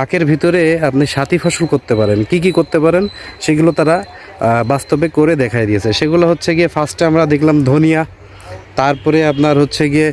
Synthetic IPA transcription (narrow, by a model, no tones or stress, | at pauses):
akeɾbʱit̪oɾeapniʃat̪ifʰɔʃulkoɾt̪epaɾenkik̬ikoɾt̪epaɾenʃeɡulot̪aɾa | bast̪obekːoɾed̪ɛkʰaed̪ijet͡ɕʰeʃeɡulaɦotːɕʰeɡiefʰasʈamɾad̪ekʰlamd̪ʱonija | t̪aɾpɔɾeapnaɾɦotːɕʰeɡie